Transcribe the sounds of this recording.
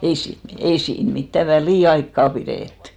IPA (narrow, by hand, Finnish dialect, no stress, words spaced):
ei siːn ei siːn mitːæ ʋæliˑɑikːɑ pireˑtːẙ